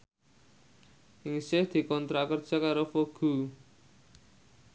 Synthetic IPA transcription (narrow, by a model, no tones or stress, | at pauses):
ʔɪŋisɪhd̪̥i̤kɔnt̪ɾakərd̥ʒ̥a̤kaɾofoɡ̥ṳ